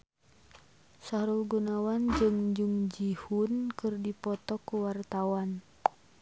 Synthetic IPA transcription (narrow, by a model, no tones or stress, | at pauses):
saɾulɡunawand͡ʒɨŋd͡ʒuŋd͡ʒihunkɨrdipɔt̪ɔkuwart̪awan